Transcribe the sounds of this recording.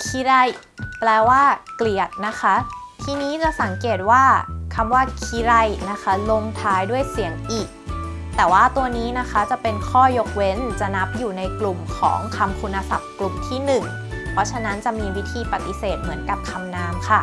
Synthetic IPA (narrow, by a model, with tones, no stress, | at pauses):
kʰi˧˥ɾa˧˩j | plɛː˧waː˥˩kli˨˩ət̪̚na˦˥kʰa˦˥t̪ʰiː˧niː˦˥t͡ɕa˨˩sa˩˦ŋkeː˨˩t̪̚waː˥˩kʰa˧mwaː˥˩kʰi˧˥ɾa˧˩jna˦˥kʰa˦˥lo˧ŋt̪ʰaː˦˥jdu˥˩əjsi˩˦əŋʔiː˨˩k̚ | t̪ɛː˨˩waː˥˩t̪u˧ɐniː˦˥na˦˥kʰa˦˥t͡ɕa˨˩pe˧nkʰɔː˥˩jo˦˥k̚we˦˥nt͡ɕa˨˩na˦˥p̚juː˨˩na˧jklu˨˩mkʰɔ̰ː˩˦ŋkʰa˧mkʰu˧nːa˧sa˨˩p̚klu˨˩mt̪ʰiː˥˩nɯ˨˩ŋ | pʰɔ˦˥t͡ɕʰa˧˥na˦˥nt͡ɕa˨˩miː˧wi˦˥t̪ʰiː˧pa˨˩t̪ːi˧˦seː˨˩t̪̚mɯ˩˦ənka˨˩p̚kʰa˧mnaː˧˥mkʰa˥˩